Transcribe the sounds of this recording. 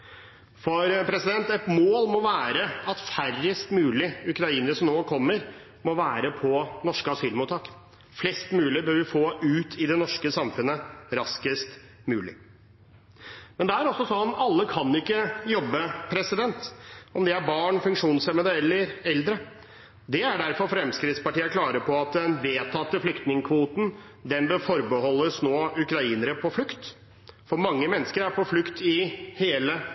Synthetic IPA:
fɔɾpʰɾɛsɪd̪ɛnt̪ɛt̪moːlmɔʋæːɾəɑt̪færəst̪mʉːlɪʉkɾɑiːnəɾəsɔmnoːkʰɔmːəɾ | mɔʋæːɾəpʰɔnɔʂkəɑsyːlmuːt̪ʰːɑːk | flɛst̪mʉːlɪbøːɾʋɪfoːʉːt̪ʰɪd̪ɛnɔʂkəsɑmfʉnːəɾɑskəst̪ | mʉːlɪ̰ | mɛnd̪ɛæɾɔsːɔsɔnɔmɑlːəkʰɑnɪkːəjɔbːəpʰɾɛsɪd̪ɛnt̪ɔmd̪ɛæɾbɑːɳfʉŋkʂuːnsɛməd̪əɛlːəɾɛld̪ɾə | d̪ɛæɖæɾfɔɾfɾɛmskɾɪt̪spɑʈiːəkʰlɑːɾəpʰɔɑt̪̚d̪ɛnʋeːt̪ʰɑt̪ːəflʏkt̪nɪŋəkʰʋuːt̪n̩ | d̪ɛnbøfɔɾbəhɔlːəsnoːʉkɾɑiːnəɾəpʰɔflʉkt̪ | fɔɾmɑŋːəmɛnːəskəɾæɾpʰɔflʉkt̪ɪheːlə

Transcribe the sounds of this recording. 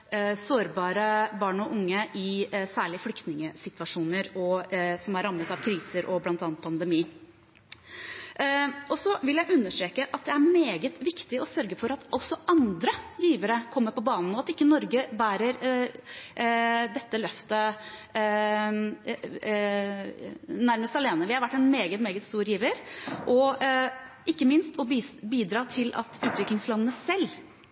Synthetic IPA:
soːɾbɑːɾəbɑːɳɔʔʊŋːəʔɪsæːɭɪflʏkt̪nɪŋəsɪt̪ʋɑʂuːnəɾɔsɔmæɾːɑmːət̪ɑʋkʰɾiːsəɾʔɔblɑnt̪ɑːnt̪pʰɑnd̪ɛmiː | ʔɔsɔʋɪljæɪʔʉnːəʂʈɾeːkəʔɑt̪̚d̪ɛæɾmeːɡət̪ʋɪkt̪ɪɔsœɾɡəfɔɾɑt̪ʔɔsːɔʔɑnd̪ɾəjiːʋəɾəkʰɔmːəɾpɔbɑːnn̩ɔɑt̪ɪkːənɔɾɡəbæːɾəɾ | d̪ɛt̪ːəlœft̪ə | næɾməst̪ɑleːnəʋɪhɑɾʋæʈːɛnmeːɡət̪meːɡət̪st̪uːɾjiːʋəɾʔɔ | ɪkːəmɪnst̪ɔbiːd̪ɾɑːt̪ʰɪlɑ̰t̪ʰʉːt̪ʋɪklɪŋslɑnənəsɛlː

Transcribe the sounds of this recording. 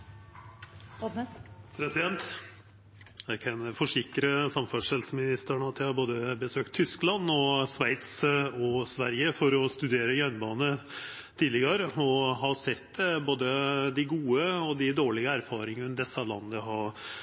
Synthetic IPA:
pʰɾɛsɪd̪ɛnt̪ | ækʰɛnfɔʂɪkɾəsɑmfɑʂɛlsəmɪnɪst̪ɾæɳəɑt̪jæɪhɑɾboːd̪əbəsøːkt̪ʰːʏsklɑnːɔsʋæɪt̪sɔsʋæ̰ɾjəfɔɾɔst̪ʉd̪eːɾəjœnbɑːnə | t̪ʰiːdlɪɡəɾəɔɦɑsɛt̪ːɛboːd̪əd̪ɪɡuːəɔd̪ɪd̪oːɭɪɡəæɾfɑːɾɪŋəʉnd̪ɛsɑlɑ̰nd̪əɦɑɾ

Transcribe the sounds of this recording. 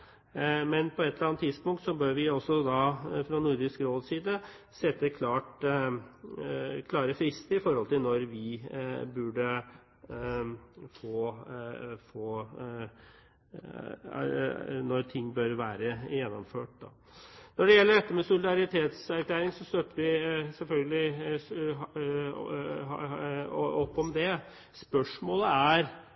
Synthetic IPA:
mɛnpʰɔɛt̪ʰːəɾɑnt̪ʰːɪd̪spʊŋkt̪sɔbøːɾʋɪɔsːɔd̪ɑfɾɑnʊɾd̪ɪskɾoːd̪siːd̪ə | sɛt̪ːəkʰlɑːʈ | kʰlɑːɾəfɾɪst̪əɪfɔɾhɔlt̪ʰɪlnɔɾʋɪbʉɖə | foː | foː | nɔɾt̪ʰɪŋːbøɾʋæːɾəjɛnːɔmføːʈd̪ɑ̰ | nɔɖɛjɛlːəɖɛt̪ːəmɛsʊlɪd̪ɑɾɪt̪ʰeːt̪sæɾkleːɾɪŋsɔst̪œt̪ːəʋɪsɛlfœlɡəlɪ | ɔpːɔmd̪ɛ | spœʂmoːləæɾ

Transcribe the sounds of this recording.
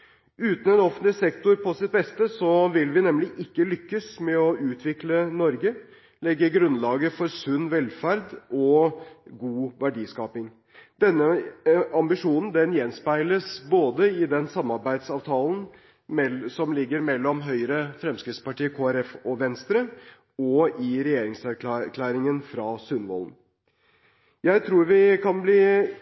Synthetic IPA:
ʉːt̪n̩ɛnɔfənt̪lɪsɛkt̪ʊɾpʰɔsɪt̪̚bɛst̪əsɔʋɪlʋɪnɛmlɪʔɪkːəlʏkːəsmɛɔʉːt̪ʰʋɪklənɔɾɡə | lɛɡːəɡɾʉnlɑːɡəfɔɾsʉnːʋɛlfæɾd̪ʔɔ | ɡuːʋæɖiːskɑːpɪŋ | d̪ɛnːəɑmbɪʂuːnn̩d̪ɛnjɛnspæɪləsboːd̪əɪd̪ɛnsɑmːɑɾbæɪd̪sɑːʋt̪ʰɑːln̩ | ɛsɔmlɪɡːəɾmɛlːɔmɦœʏɾəfɾɛmskɾɪt̪spɑʈiːəkʰoːæɾɛfɔʋɛnst̪ɾə | ɔɪɾɛjeːɾɪŋsæɾk̪ːkʰlæːɾɪŋənfɾɑsʉnʋɔ̰ln | jæɪt̪ʰɾuːɾʋɪkʰɑnbliː

